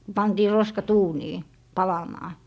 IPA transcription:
pɑntiː roskɑt uːniː pɑlɑmɑː

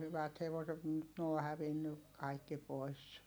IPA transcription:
hyʋæt heʋoset m̩ nyt n oː hæʋinːy kɑikːi pois

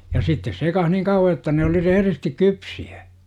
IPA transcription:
jɑ sitːes sekɑh niŋ kɑuwɑ jotːɑ ne oli rehĕristik kypsiæ

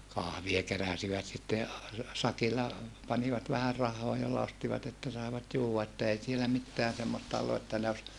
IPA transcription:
kɑhʋie keræsiʋæt sitːe ɑ sɑkilːɑ pɑniʋɑt ʋæhær rɑhːoː jolːɑ ostiʋɑt etːæ sɑeʋɑt juːwːɑ etːæ ei sielæ mitːeæn semːostɑ olːu etːæ ne os

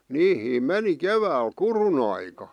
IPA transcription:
niːhiːm meni keʋæːl kurun ɑikɑ

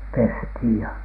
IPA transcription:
pesthiˑj jɑ

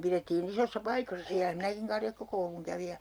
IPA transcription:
piretːiːn isosːɑ pɑikosːɑ siælæ minækiŋ kɑrjɑkːokouluŋ kæʋi jɑ

